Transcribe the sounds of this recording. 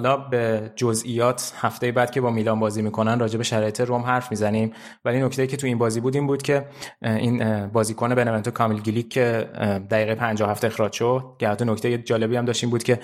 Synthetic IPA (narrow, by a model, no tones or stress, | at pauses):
ɒlɒːbe̞d͡ʒozʔijɒːt̪ʰhæft̪e̞jebæːd̪̚cʰe̞bɒːmiːlɒːmbɒːziːmiːkʰonænrɒːd͡ʒe̞be̞ʃæɾɒːje̞t̪ʰeɾomɦæɾfmizænim | vælinocʰt̪ejiːcʰe̞t̪ʰuiːnbɒːzibuːd̪iːmbuːd̪cʰe̞inbɒːziːkʰone̞benevent̪ʰokʰɒmilɡilikʰːe̞d̪æɣiːɣejepʰænd͡ʒɒoæft̪eexɾɒːd͡ʒʃod̪̥̚cehæt̪ːɔno̞ct̪ʰejed͡ʒɒːle̞biːæmdɒːʃt̪iːmbuːd̪cʲʰe̞